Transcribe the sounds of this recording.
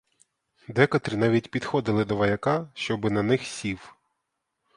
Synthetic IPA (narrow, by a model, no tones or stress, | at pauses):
d̪ɛkɐt̪ɾʲinɑʋʲitʲpʲid̪xɔd̪ɪlˠɪd̪ɔʋɐjɐkɑʃt͡ʃɔbɪnɐnɪxsʲiw